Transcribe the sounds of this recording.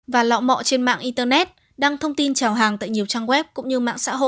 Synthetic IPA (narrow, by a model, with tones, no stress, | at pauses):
vaː˨˩lɔ̰˧˨wmɔ̰˧˨t͡ɕe˧nma̰ː˧˨ŋʔi˧nt̪əː˧nɛ˦˥t̚ | ɗaː˧ŋt̪ʰə˧wŋ͡mt̪i˧nt͡ɕaː˨˩wɦaː˨˩ŋt̪a̰ː˧˨jɲi˨˩əwt͡ɕaː˧ŋwɛ˦˥p̚kʊ̰˧˥ŋ͡mɲɨ˧ma̰ː˧˨ŋsa̰ː˧˥ɦo̰˧˨